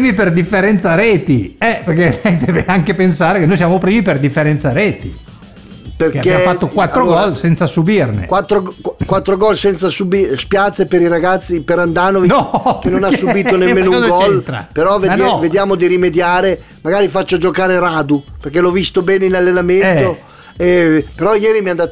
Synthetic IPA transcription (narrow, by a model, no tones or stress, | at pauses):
miperd̪ifːeɾɛnt̪saɾɛːt̪iɛperkelɛjd̪eːveaŋkepensaːɾekenojsjaːmopɾiːmiperd̪ifːeɾɛnt̪saɾeːt̪i | perkekːafat̪ːokkwat̪ːɾoɡɔlsɛnt̪sasubirnḛkwat̪ːɾoɡkkwat̪ːɾoɡɔlsɛnt̪sasubispjat̪sːepeɾiɾaɡat̪sːipeɾand̪aːnovinɔkenonasːubiːt̪onemmeːnouɡɔlt̪ɾa̰peɾɔvejavedjaːmod̪iɾimed̪jaːɾe | maɡaːɾifat͡ʃːod͡ʒokaːɾeɾaːd̪uperkɛlɔvist̪obɛːneinalːenament̪o | epeɾɔjɛːɾimiand̪aːt̪